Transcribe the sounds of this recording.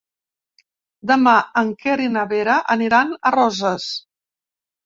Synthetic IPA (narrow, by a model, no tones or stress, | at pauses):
d̪əmaəŋkeɾinəβeɾəʔəniɾanərɔzəs